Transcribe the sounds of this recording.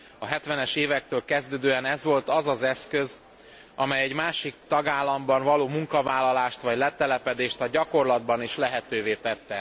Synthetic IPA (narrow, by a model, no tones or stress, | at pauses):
ɒɦɛt̪ʋɛnɛʃeːvɛk̚t̪øːlkɛzd̪øːd̪øːɛnɛzʋo̞lt̪ɒzɒzɛskø̞z | ɒmɛjɛɟmaːʃikt̪ɒɡaːlːɒmbɒɱvɒloːmuŋkɒvaːlːɒlaːʃt̪ʋɒɟlɛt̪ɛlɛpɛd̪eːʃt̪ɒɟɒko̞rlɒd̪bɒniʃlɛɦɛt̪øːveːt̪ɛt̪ːɛ